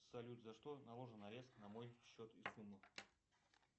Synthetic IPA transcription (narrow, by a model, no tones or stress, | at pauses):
sɐlʲut̪ʲzɐʂt̪onɐlˠo̞ʐɨnɐɾʲe̞st̪nɐmo̞jɕːot̪isumːɨ